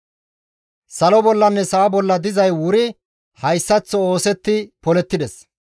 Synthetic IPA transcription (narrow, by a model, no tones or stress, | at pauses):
sɐlɔbɔlːɐnːɛsɐɐbɔlːɐd̪ɪzɐjwʊɾɪ | hɐjsːɐt͡sːɔoːsɛt̪ːɪpɔlɛt̪ːɪd̪ɛs